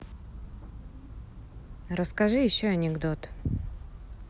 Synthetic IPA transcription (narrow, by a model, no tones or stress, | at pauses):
ɾəskɐʐɨjɪɕːoɐnʲɪɡd̪ot̪